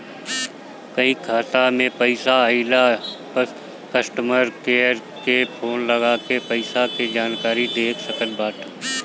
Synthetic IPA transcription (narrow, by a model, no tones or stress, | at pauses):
kəɦĩkʰaːt̪amẽpɐɪsaəila | kəsʈəməɾkeːɾ | kepʰoːnləɡakepɐɪsaked͡ʒaːnkaːɾid̪eːkʰsəkənbaːʈʰə